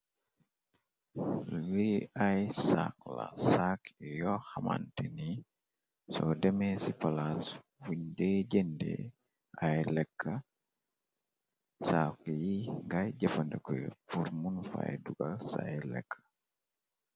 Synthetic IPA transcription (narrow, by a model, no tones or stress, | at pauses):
liajsa̰k̚la̰sakjɔhama̰ntini | sɔdɛmɛsipalas | fuɲdɛd͡ʒendɛ̰ | ʔajlɛkʰːa | sakijiŋɡajd͡ʒafandɛkɔjpuɾmunfa̰jduɡalsa̰jlɛ̰kʰːḁ